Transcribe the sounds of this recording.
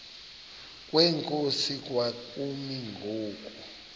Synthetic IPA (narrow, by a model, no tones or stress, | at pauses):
k̬ʼwɛŋkʼosik̬ʼwakʼumiŋɡʱoːk̬ʼu